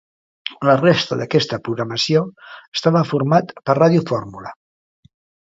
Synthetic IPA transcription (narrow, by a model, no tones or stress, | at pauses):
lərest̪əðəkɛst̪əpɾuɣɾəməsioəst̪aβəfuɾmat̪pəraðjufoɾmulə